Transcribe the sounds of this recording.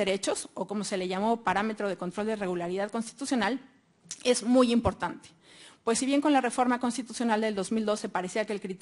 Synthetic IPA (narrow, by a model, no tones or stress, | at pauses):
eɾe̞t͡ʃo̞so̞ko̞mo̞se̞leʝamo̞paɾame̞t̪ɾo̞ð̞e̞ko̞nt̪ɾo̞ld̪ere̞ɣulaɾiðaðko̞nst̪i̥t̪usjo̞nal | e̞zmujimpo̞ɾt̪ant̪e̥ | pwe̞sːiβje̞ŋko̞nlare̞fo̞ɾmako̞nst̪it̪usjo̞nald̪e̞ld̪o̞zmild̪o̞se̞paɾe̞siakeːlkɾit̪